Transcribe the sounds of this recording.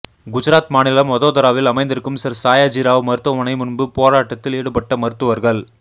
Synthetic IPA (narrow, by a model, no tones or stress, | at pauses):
ɡʊd͡ʒɐɾaːt̪maːnɪlɐmʋɐðoːðɐɾaːʋɪlɐmɐɪnd̪ɪɾɯkːɯmsɐɾsaːjaːd͡ʒiːɾaːʋmɐɾɯt̪ːʋɐmɐnɐɪmʊnbɯpoːɾaːʈːɐt̪ːɪleːɽɯpɐʈːɐmɐɾɯt̪ːɯʋɐɾɣɐɭ